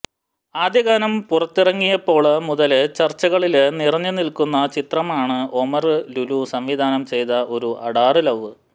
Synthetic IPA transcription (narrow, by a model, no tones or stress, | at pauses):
aːd̪jɐɣaːnɐmpurɐt̪ːirɐŋːijɐpːo̞ːɭmuðɐlt͡ɕɐrt͡ɕːɐɣɐɭilnirɐɲːɨnilkunːɐt͡ɕit̪rɐmaːɳɨo̞mɐrɨlulusɐmʋid̪ʱaːnɐmt͡ɕe̞jt̪ɐʔo̞ɾuʔɐɽaːrɨlɐʋɨ